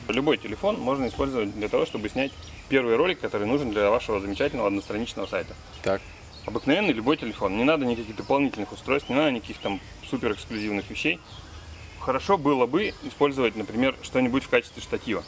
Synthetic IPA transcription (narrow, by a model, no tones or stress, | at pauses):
lʲʊbo̞jtʲɪlʲɪfo̞nmo̞ʐnəɪspo̞lʲzəvət̚ʲd̪lʲət̪ɐvo̞ʂt̪o̞bɨsʲnʲætʲ | pʲe̞rvɨjɾo̞lʲɪkːɐt̪o̞ɾɨjnuʐɨnd̪lʲɐvaʂəvəzəmʲɪt͡ɕætʲɪlʲnəvəɐd̪nəst̪ɾɐnʲit͡ɕnəvəsa̰jt̪ə | t̪ak | ɐbɨknɐvʲe̞nːɨjlʲʊbo̞jtʲɪlʲɪfo̞nːʲɪnad̪ənʲɪkɐkʲixd̪əpɐlˠnʲitʲɪlʲnɨxʊst̪ɾo̞jst̪nʲɪnad̪ənʲkɐkʲixt̪am | supʲɪɾɨksklʲʉzʲivnɨxvʲɪɕːej | xəɾɐʂo̞bɨlˠəbɨɪspo̞lʲzəvətʲnəpɾʲɪmʲe̞rʂt̪o̞nʲɪbuɪtʲfkat͡ɕɪ̥st̪vʲɪʂt̪ɐtʲivə